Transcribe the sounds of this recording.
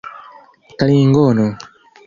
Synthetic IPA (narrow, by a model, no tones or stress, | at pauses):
kaliŋɡɔnɔ